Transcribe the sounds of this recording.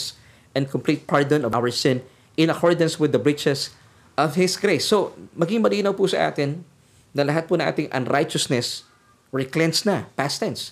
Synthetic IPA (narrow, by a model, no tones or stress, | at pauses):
s | ʔɛ̃nkɔmpliːt̪̚paɹd̪ɔ̃nɔva̰wəɹsɪ̃n | ɪ̃nɐkɔɹd̪ɐ̃nswɪd̪ɐbɹɪt͡ʃɛs | ʔɔvhɪsɡɹejsːomɐɡɪŋmɐliːnɐwpusɐ̰ʔa̰ːt̪ɪnː | ɐlɐɦat̪̚pʊnɐ̃ŋʔa̰ːt̪ɪŋʔɐ̰̃nɹajt͡ʃɐsnɛs | ɹɪklɛnsnɐpast̪ɛ̃ns